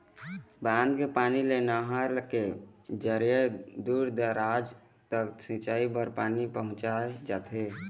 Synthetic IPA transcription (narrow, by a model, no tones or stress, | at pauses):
bãːnd̪kepaːnilenaɦaɾlked͡ʒəɾjəd̪uːɾd̪əɾaːd͡ʒ | t̪əksĩt͡ʃaːibəɾpaːnipəɦʊ̃t͡ʃaed͡ʒaːt̪ʰe